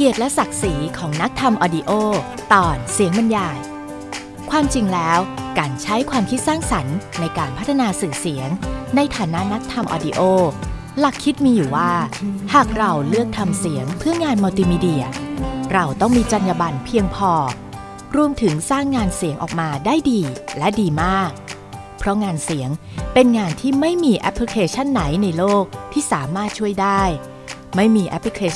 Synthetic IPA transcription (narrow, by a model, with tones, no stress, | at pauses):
ki˨˩ət̪̚lɛ˦˥sa˨˩k̚si˩˦kʰɔː˩˦ŋna˦˥k̚t̪ʰa˧mʔɔː˧di˧ʔoː˥˩t̪ɔː˨˩nsi˨˩˦əŋba˧njaː˧˩j | kʰwaː˧mt͡ɕi˧ŋlɛː˦˥wkaː˧nt͡ɕʰa˦˥jkʰwaː˧mkʰi˦˥t̪̚saː˥˩ŋsa˩˦nːa˧jkaː˧npʰa˦˥t̪ʰːa˧naː˧sɯː˨˩si˩˦əŋna˧jt̪ʰaː˩˦na˦˥ʔna˦˥k̚t̪ʰa˧mʔɔ̰ː˧di˧ʔoː˥˩ | la˨˩kʰːi˦˥t̪̚miː˧juː˨˩waː˥˩haː˨˩k̚ɾa˧wlɯ˥˩ək̚t̪ʰa˧msi˩˦əŋpʰɯ˥˩əŋaː˧nmaː˧t̪iː˧miː˦˧di˧ɐɾa˧wt̪ɔ˥˩ŋmiː˧t͡ɕa˧njaː˧ba˧npʰi˧əŋpʰɔː˧ | ɾu˧əmt̪ʰɯ˩˦ŋsaː˥˩ŋːaː˧nsi˨˩˦ŋʔɔ̰ː˨˩k̚maː˧daː˥˩jdiː˧lɛ˦˥diː˧maː˥˩k̚ | pʰɾɔ˦˥ŋaː˧nsi˩˦əŋpe˧nŋaː˧nt̪ʰiː˥˩ma˥˩jmiː˧ʔɛ̰˦˥pʰːɾi˧kʰeː˧t͡ɕʰa˥˩nːa˩˦jna˧jloː˥˩k̚t̪ʰiː˥˩saː˩˦maː˥˩t̪̚t͡ɕʰu˥˩əjdaː˥˩j | ma˥˩jmiː˧ʔɛ̰˦˥pʰɾi˧kʰeː˧